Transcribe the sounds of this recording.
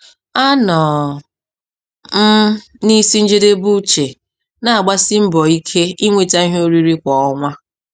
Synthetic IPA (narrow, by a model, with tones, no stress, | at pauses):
a˦nɔ˨ | m̩˦ | ni˦si˦n̩˦d͡ʒe˦de˦bu˦t͡ʃe˨ | na˨a˨ɡ͡ba˦si˦m̩˦bɔ˨i˦kʰe˦i˦ŋʷe˨ta˦i˦ɦo˦ɾi˦ɾi˦kʷɔ˨ɔ˦ŋʷa˦